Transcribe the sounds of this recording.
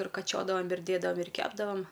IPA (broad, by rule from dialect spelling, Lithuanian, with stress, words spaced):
ɪr kɐˈt͡ʃʲoːdɐʋoːm ɪr ˈdʲeːdɐʋɐm ɪr ˈkʲæːbdɐʋɐm